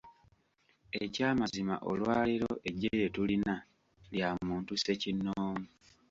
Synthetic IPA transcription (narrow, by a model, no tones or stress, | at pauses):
ecaːmazima̰ʔo̰lwaːliɾoʔe̞ɟːeje̞tulina | ljamuːntuse̞cinːoːmu